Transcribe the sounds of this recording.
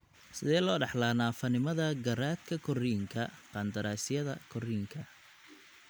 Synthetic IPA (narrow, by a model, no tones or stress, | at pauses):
sɪðɛːlɔːɖɑħlaːnaːfɐnɪmɐðɐɡɐɾaːt̪kʰɐkʰɔriːŋkʰɐqɑnd̪ɐɾaːsɪjɐðɐkʰɔriːŋkʰɐ